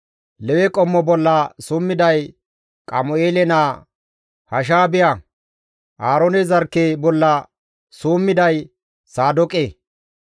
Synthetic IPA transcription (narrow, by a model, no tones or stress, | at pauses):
lɛwɛkʼɔmːɔbɔlːɐsuːmːɪd̪ɐj | kʼɐmʊeːlɛnaː | hɐʃ̬aːbɪjɐ | ʔaːɾɔnɛzɐɾkːebɔlːɐ | suːmːɪd̪ɐj | saːd̪ɔkʼeː